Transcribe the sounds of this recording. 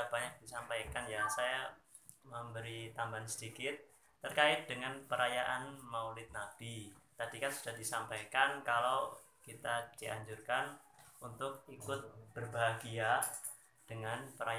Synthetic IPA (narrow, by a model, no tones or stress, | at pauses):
ab̥aɲak̚disampajkanjaŋsaja | məmbəɾit̪ambansədikɪt̪̚ː | ərkaɪt̪̚dəŋanpəɾajaʔanmaulɪt̪̚nab̥it̪adikansud̥ahdisampajkankalaw | kit̪ad̥iʔa̰ɲd͡ʒurkanunt̪ʊk̚ikʊt̪̚b̥ərbaɦaɡia | d̥əŋanpəɾa